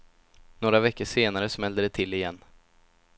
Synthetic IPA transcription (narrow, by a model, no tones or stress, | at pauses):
noːɾavɛkːəʂeːnaɾəsmɛld̪əd̪ɛt̪ʰɪlːɪjɛnː